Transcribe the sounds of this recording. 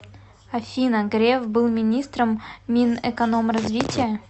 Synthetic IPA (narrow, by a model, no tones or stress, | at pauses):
ɐfʲinəɡɾʲefbɨlˠmʲɪnʲist̪ɾəmːʲinɛkɐnomrɐzvʲitʲɪjə